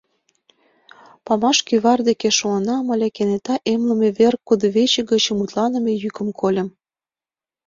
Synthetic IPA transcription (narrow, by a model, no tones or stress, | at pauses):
pɑmɑʃkyβɑrd̪ekeʃoənɑmə̆lʲekenet̪ɑʔemlə̆mĕβerkːud̪oβet͡ɕĕɡə̆t͡ɕmut̪lɑnə̆mĕjykə̆mkʰolʲə̆m